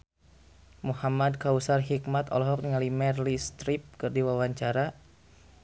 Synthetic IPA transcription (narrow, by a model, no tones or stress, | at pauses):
muhamad̚kausarɦikmat̪ɔ̰lɔɦɔk̚ŋalimɛrlist̪ɾip̚kɨrdiwawaɲt͡ʃaɾa